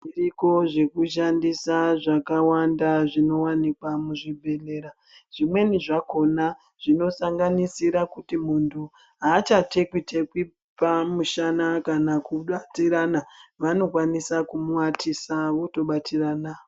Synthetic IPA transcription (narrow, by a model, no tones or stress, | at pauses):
iriko̞ʐe̞kuʃ̬andisaʐakawandaʐino̞wanikwamuʐibʱe̞le̞ːɾa | ʐ̥imwe̞niʐako̞na | ʐ̥ino̞saŋɡanisiɾakutimuntʰu | ɦaːt͡ʃatʰe̞kwite̞kwi | pamuʃanakanakuɓatiɾanaʋano̞kwanisakumuwatʰisaʋoto̞ɓatiranao